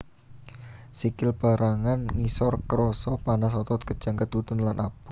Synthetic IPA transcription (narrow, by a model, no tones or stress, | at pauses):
sikɪlb̥a̤ɾʔaŋanŋisɔrkəɾɔsɔpanas̬ɔt̪ɔt̪̚kəd̥ʒ̥a̤ŋkət̪ut̪ənlanʔab̥ṳ